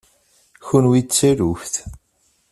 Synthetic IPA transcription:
çunwit͡sːæɾufθ

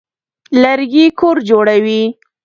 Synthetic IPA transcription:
laɾɡikoɾd͡ʒoɽawi

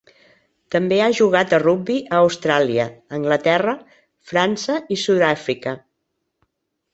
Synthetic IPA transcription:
t̪əmbeaʒuɣ̞at̪ərubbiʔəːwst̪ɾaliəːŋɡlət̪ɛrə | fɾansəisuðafɾikə

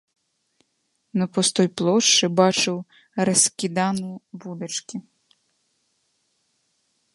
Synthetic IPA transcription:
nɐpɔst̪ɔjplˠɔʃt͡ʃɪbɑt͡ʃɪw | ɾɐskʲid̪ɑnʊbud̪ɪt͡ʃkʲi

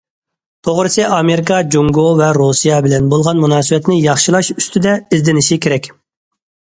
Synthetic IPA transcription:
t̪ʰoʁɾɨsɨʔɑmeɾɪkʰɑd͡ʒuŋɡovɛɾusijɑbɪlɛnbolˠʁɑnmunɑːsɨbɛt̪nɪjɑχʃilˠɑʃyst̪ʰɪd̪ɛɪzd̪ɪnɪʃikʲʰeɾɛkʲ

